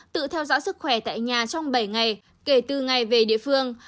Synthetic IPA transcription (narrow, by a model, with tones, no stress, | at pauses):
t̪ɨ̰˧˨t̪ʰɛ˧wzɔ̰ː˧˥sɨ˦˥k̚xwɛ˧˩t̪a̰ː˧˨jɲaː˨˩t͡ɕɔ˧wŋ͡mɓə˧˩jŋa˨˩j | ke˧˩t̪ɨ˨˩ŋa˨˩jve˨˩ɗḭ˧˨əfɨ˧əŋ